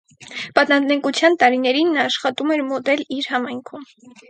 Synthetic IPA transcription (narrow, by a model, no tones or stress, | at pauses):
pɑt̪nɑɛŋkut͡sʰjɑnt̪ɑɾinɛɾinːʃχɑt̪umɛɾmɔt̪ɛliɾhɑmɑjŋkʰum